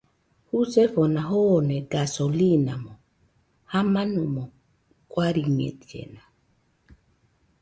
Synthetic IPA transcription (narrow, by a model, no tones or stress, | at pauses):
husɛfɔnaɦɔnɛɡasɔlinamɔ | hamanumɔ | kwaɾiɲɛ̰tiɛ̰na